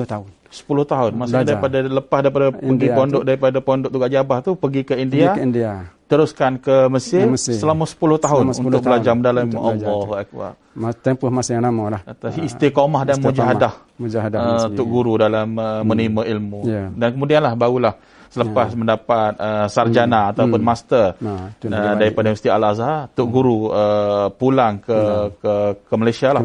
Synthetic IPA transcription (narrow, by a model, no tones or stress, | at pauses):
t̪a | sə̥pulʊht̪aɦʊnmasɲadaɾipadaləpasdaɾip̬adapəɡipondʊʔ̚daɾipadapɔndʊʔ̚t̪uɡaʔd͡ʒabaht̪upəɡikəindiaindiat̪əɾuskankəməsɪrəsəlamasə̥pulʊht̪aɦʊnṵnt̪ʊk̚bəlad͡ʒaməndalamimaʔɔlːɔaʔkua̰ʔ | t̪ɛmpəhmasjaŋnamalahat̪asist̪ikomahdanmud͡ʒaaɦadah | d͡ʒadaət̪ʊk̚ɡuɾudalaməːənimaʔilmudankəmudianlahbaɡulah | sələpasməndapat̪̚əsard͡ʒanaːt̪awʊnmast̪ərədaɾipadavəsit̪ialazaat̪ʊʔ̚ɡuɾuəpulaŋkəkəkəmalajsiala